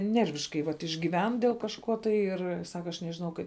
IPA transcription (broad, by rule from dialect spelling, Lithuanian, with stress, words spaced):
ˈnʲɛrʲʋʲɪʃkɐɪ ʋɐt ɪʒʲɡʲiːˈʋʲɛn dʲeːlˠ kɐʃˈkoː tɐɪ ˈɪr ˈsɑːkɐ ɐʃ nʲɛʒʲɪˈnɐʊ kɐɪp